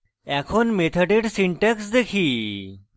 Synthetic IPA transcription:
ɛkʰonmet̪ʰəʈeʈsiɳʈeksd̪ekʰi

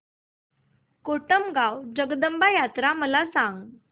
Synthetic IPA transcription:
koʈəmɡawd͡ʑəɡd̪əmbajat̪ɾaməlasãŋɡ

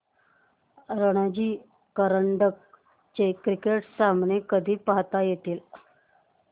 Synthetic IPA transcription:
ɾəɽ̃ad͡ʑiː | kəɾəɳɖək̚ | t͡ɕekɾikeʈsamnekəd̪ʱiːpaɦt̪ajet̪iːl

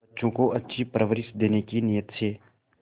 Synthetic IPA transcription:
ətːʃõːkoɐtːʃʰipɾəʋəɾɪsd̪eːnekinɪjət̪seː

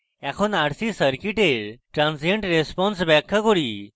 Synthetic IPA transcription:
ɛkʰɔnaɽsisəɾkiʈeɾʈɾãnsiəɳʈɾespɔnsbɛkʰːəkoɽi

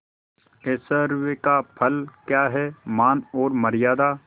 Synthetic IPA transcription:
eːsəɾʋekapʰɐlkjaːɦɛmaːnɔːɾmɐɾɪjaːd̪aː

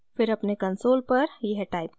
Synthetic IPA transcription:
fɪɾɐpnekɐ̃nsoːlpɐɾjɐɦʈaːɪp̚

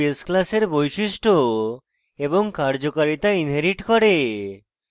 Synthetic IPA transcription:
esklaseɾbojʃiʃʈʰo | eboŋkaɾd͡ʑokaɾit̪ainɦeɾiʈkɔɾe

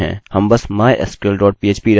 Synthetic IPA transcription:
ɦɛ̰̃ːhɐmbɐsmaːjʔɛ̰skelɖɔːʈ̚piːeːt͡ʃpiɾɐ

